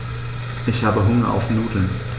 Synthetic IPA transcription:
ʔɪçhaːbəɦʊŋɐʔa̰ʊfnuːtl̩n

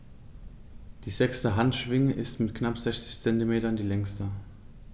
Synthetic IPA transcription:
d̥iːzɛkstəɦantʃv̥ɪŋəʔɪstmɪtknapz̥ɛçt͡sɪ̥çt͡sɛntimeːtɐndiːlɛŋstɐ

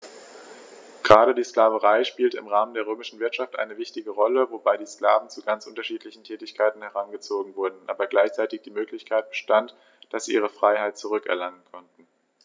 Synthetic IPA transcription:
ɡ̥ʁaːɾədiːskl̥aːvəʁaɪʃpiːltəɪ̰mʁaːməndeːʁøːmɪʃn̩vɪɐtʃaftʔa̰ɪnəvɪçtɪɡəʁɔləvobaɪdiːsklaːvn̩t͡suɡant͡sʔʊntɐʃiːtlɪçn̩tʰɛːtɪçkʰaɪtn̩hɛʁ̞anɡət͡soːɡŋ̩vʊɐdn̩ʔa̰ːbɐɡlaɪçt͡saɪtɪçd̥iːmøːklɪçkʰaɪt̚b̥əʃtant | d̥asz̥iːʔiːʁ̞əfʁ̥aɪhaɪt̚t͡suʁ̞ʏkɛ̰ɐlaŋənkʰɔntn̩

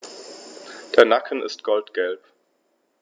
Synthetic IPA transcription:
d̥eːɐnakʰənɪ̰stɡ̥ɔltɡ̥ɛlp

